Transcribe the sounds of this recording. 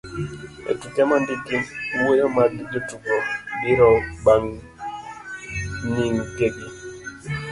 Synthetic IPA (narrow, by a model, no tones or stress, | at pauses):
ḛtut͡ʃamandikimwojomadd͡ʒotukɔbiɾɔbaŋ | niŋkeɡi